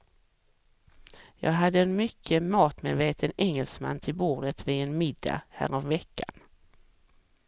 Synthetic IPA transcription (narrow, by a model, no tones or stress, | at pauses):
jɑ̰ːɡɦad̪ːəɛnmʏkʰːəmɑːt̪meːd̪veːt̪ʰənɛŋːɛlsma̰nːt̪ʰɪlbuːd̪ət̪vɪɛnmɪd̪ːa̰hæ̰ːɾɔmvɛkːan